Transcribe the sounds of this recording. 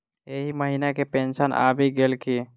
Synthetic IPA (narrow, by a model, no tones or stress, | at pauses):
eɦiməɦinakepẽːnsənʔa̰ːbʱiɡeːlki